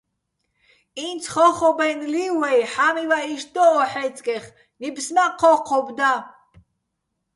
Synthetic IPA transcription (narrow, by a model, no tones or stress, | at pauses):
int͡sʰχɔχɔbɛnliwɛjħamivaiʃd̪ɔːħɛt͡sʼkʼɛχ | nibsnaqʰɔqʰɔbd̪a